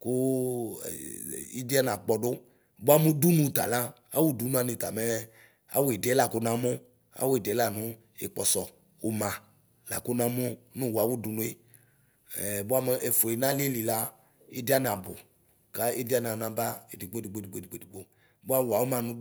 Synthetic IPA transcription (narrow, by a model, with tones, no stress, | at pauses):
kʊ̰˦˨ | i˦di˦a˦n˨ã˨k͡pɔ˨ɖʊ˦ | bo˦a˦mũ˦du˦nũ˦˨t̪a̰˨la˦ | a̰˦wu˦du˨˦nũ˦a˨ne˨t̪a̰˨me˦ | a̰˦wo˦e˨dɛ˨˦la˨ko˦nã˨˦mo˦ | a̰˦wo˦e˨dɛ˨˦la˦˨nʊ̃˦ | ḛ˨k͡pɔ˨sɔ˨ | o˨mã˨ | la̰˨ko˦nã˦mo˦nũ˦wa˨wu˦du˦nũ˦e˦˨ | bo˦a˦me˨ʔe˨fo˨e˨nã˦le˦li˨la˦ | e˦di˦a˦n˨a˨bʊ̰˨ | ka˦e˦di˦a˦n˨a˨nã˨ba˦e˨di˨ɡ͡bo˦˨i˨ɡ͡bo˦˨di˨ɡ͡bo˦˨di˨ɡ͡bo˦di˨ɡ͡bo˦ | bo˦a˦wa˨wo˦mã˨nũ˦